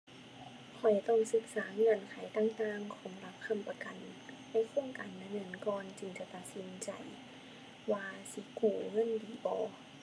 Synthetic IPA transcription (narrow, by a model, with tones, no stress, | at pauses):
kʰɔ˨˩jt̪ɔ˧˩ŋsɯ˧˦k̚saː˩˦ŋɤ˧˩ənkʰa˨˦jt̪aː˧˥˨ŋt̪aː˧˨ŋkʰɔː˩˦mla˧˦˥p̚kʰa˧˥˨mpa˧ka˨nː | ɛ˧˥˨kʰoː˧˥˨ŋkaː˨nda˧˩nɤː˧˥ə˨nkɔː˧nt͡ɕɯ˨˩ŋt͡ɕa˨˧˩t̪a˧t̪̚si˨˦nt͡ɕa˨˩j | waː˧si˧˦kuː˧˩ŋɤ˧˥˨ndiː˨˦bɔː˨˧˦